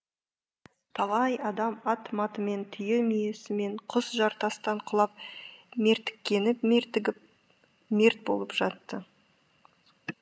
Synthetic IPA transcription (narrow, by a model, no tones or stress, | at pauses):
t̪ʰɑlˠɑjɑd̪ɑmɑt̪mɑt̪əme̞nt̪ʰʏjemije̞sɪme̞ɴqʰʊsʒɑɾt̪ɑst̪ɑɴqʰʊlˠɑp̚me̞ɾt̪ɪ̥kʲːe̞nɪp̪ | me̞ɾt̪̚bo̞̰lˠəpʒ̥ɑt̪ːə